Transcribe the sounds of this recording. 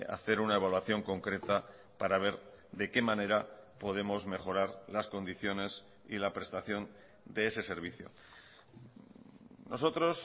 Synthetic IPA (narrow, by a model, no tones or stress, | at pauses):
a̰θe̞ɾunae̞β̞alwaθjo̞ŋko̞ŋkɾe̞t̪a | paɾaβ̞e̞ɾ | ðe̞ke̞mãne̞ɾapo̞ð̞e̞mo̞zme̞χo̞ɾaɾlasko̞nd̪iθjo̞ne̞s | ḭlapɾe̞st̪aθjo̞n | d̪e̞ese̞se̞ɾβ̞iθjo̞̰ | no̞so̞t̪ɾo̞s